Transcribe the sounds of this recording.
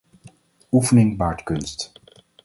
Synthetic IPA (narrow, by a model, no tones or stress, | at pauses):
ufənɪŋbaːɹtkɵnst